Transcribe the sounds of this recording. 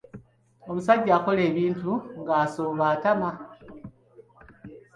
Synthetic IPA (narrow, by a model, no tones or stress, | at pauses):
o̞musaɟako̞leːβiːntuŋɡasoːβaːtama